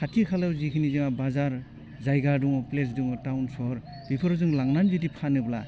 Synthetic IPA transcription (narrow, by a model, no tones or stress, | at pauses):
kʰatʰikʰalawzikʰɯnizɯŋabazaɾ | zajɡaduŋɔples̬duŋɔtawnsɔɾ | bipʰɯɾɔzuŋlaŋnanbidipʰanɯbla̰